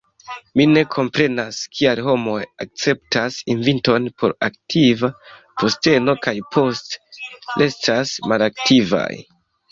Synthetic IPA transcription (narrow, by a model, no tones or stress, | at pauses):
mine̞kʰo̞mpɾe̞naskʰialɦo̞mo̞jak̚t͡se̞ptasinvinto̞npʰo̞ɾak̚tʰivapo̞ste̞no̞kajpʰo̞stle̞stasmalaktʰiva̰j